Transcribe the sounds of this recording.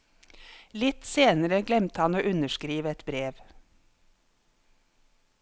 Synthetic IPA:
lɪt̪seːnəɾəɡlɛmt̪əhɑnoːʔʉnəʃkɾiːʋəɛt̪bɾeːʋ

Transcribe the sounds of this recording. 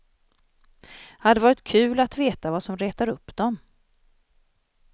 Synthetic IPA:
had̪ːəɛvɑːɾɪt̪kʰʉ̟ːlat̪veːt̪avasɔmɾeːt̪aɾɵpːd̪ɔm

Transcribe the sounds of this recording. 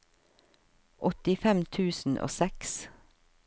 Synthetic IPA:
ʔɔt̪ɪfɛmt̪ʰʉːsn̩ʔo̰ːsɛks

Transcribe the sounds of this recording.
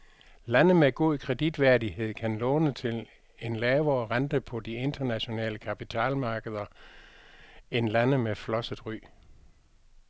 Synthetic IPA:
lænəmeɡ̥o̝ðˠkʰʁɛd̥id̥ʋæɐdiɦe̝ð̞̰ˠkʰænlɔ̽ːnət͡sʰe̝l | e̝nlɛːʊɐʁand̥əpʰɒ̽d̥ie̝nd̥ɐnæɕo̝nɛ̰ːləkʰæpʰit͡sʰɛ̰ːlmɑ̈ːɡ̥əð̞̩ˠɐ | e̝nlænəmeflɒ̽səð̥ˠʁy̰ː

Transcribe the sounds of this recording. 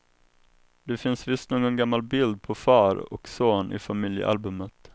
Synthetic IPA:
d̪̥ɛfɪnsvɪst̪noːɡɔnɡamːalbɪld̪̚pʰɔfɑːɾɔ̰ksoːnʔɪ̰famɪljə̰ʔa̰lbɵmət̪

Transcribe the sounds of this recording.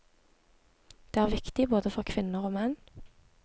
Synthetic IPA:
d̪̥eːæːʁʋɪkt̪ɪboːd̪əfɔʁkʰʋɪnəʁoːmɛn

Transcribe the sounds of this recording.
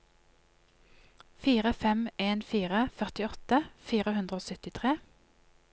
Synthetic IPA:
fiːʁəfɛmeːnfiːʁəfœʁt̪ɪɔt̪əfiːʁəhʉnd̪ʁəoːsœt̪ɪt̪ʰʁeː

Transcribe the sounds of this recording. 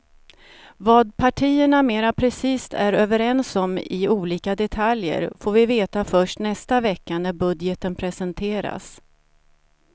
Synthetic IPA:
vɑːd̪̚pʰaʈʰiːəɳameːɾapʰɾɛsiːst̪ʰæɾøːvəɾɛnsɔmɪ̰uːliːkad̪ɛt̪ʰaljə̰ɾfoːɾvɪveːt̪afœʂʈnɛst̪avɛkːanæɾbɵd̪jət̪ənpʰɾɛsɛnt̪ʰeːɾa̰s

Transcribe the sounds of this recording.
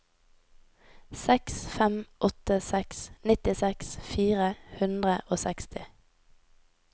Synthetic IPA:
sɛksfɛmʔɔt̪əsɛksnɪt̪ɪsɛksfiːʁəhʉnd̪ʁəʔoːsɛkst̪ɪ

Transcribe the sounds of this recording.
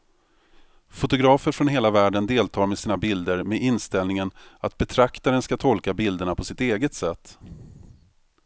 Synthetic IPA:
fʊt̪ʊɡɾɑːfəɾfɾɔnɦeːlavæːɖənd̪eːlt̪ʰɑːɾmɛsiːnabɪld̪əɾmɛʔɪnst̪ɛlnɪŋənat̪̚bɛt̪ʰɾakt̪aɾənskat̪ʰɔlkabɪld̪əɳapʰɔsɪt̪eːɡət̪sɛt̪ː

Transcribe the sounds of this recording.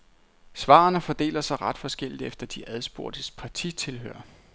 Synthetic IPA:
sʋɑ̰̈ːnəfɒ̽d̥e̝̰ːlɐsɑ̈ɪʁɑ̈d̥fɒ̽sɡ̥el̰id̥efd̥ɐd̥iʔæðˠsb̥o̝ɐd̥əspʰɑ̈t͡sʰit͡sʰe̝lɦø̰ɐ

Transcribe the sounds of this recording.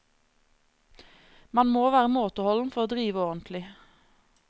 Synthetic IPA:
mɑnmoːʋæːʁəmoːt̪ɔhɔln̩fɔʁoːd̪ʁiːʋəɔʁənt̪ʰlɪ

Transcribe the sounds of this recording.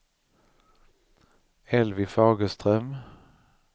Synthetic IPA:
ɛlvɪfɑːɡəst̪ʁœm

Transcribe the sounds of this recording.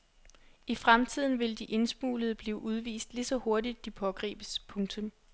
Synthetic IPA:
ifʁamt͡sʰið̞̰ˠn̩ʋe̝ld̥iʔe̝nsm̥ṵːləð̞̩ˠb̥liːʔuð̞ˠʋḭːsd̥lisɒ̽ho̝ɐdid̥ːipʰɒ̽ɡ̥ʁḭːb̥əspʰɔ̽ŋt͡sʰɔ̽m

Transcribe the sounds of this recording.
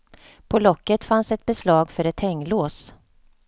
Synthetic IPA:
pʰɔlɔkːət̪fansɛt̪̚bɛslɑːɡfœɾɛt̪ʰhɛŋːloːs

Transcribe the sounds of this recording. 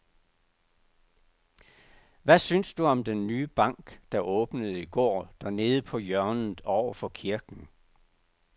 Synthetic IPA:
ʋæsynsd̥uɒ̽md̥enːyːb̥ɑ̈ŋ̰ɡ̥d̥ɑ̈ʔɔ̽ːb̥nəð̞̩ˠiɡ̥ɒ̰ːd̥æɐne̝ːð̞̩ˠəpʰɒ̽jɶɐnð̩ˠɒʊ̰ɐfɒ̽kʰiɐɡ̥n̩

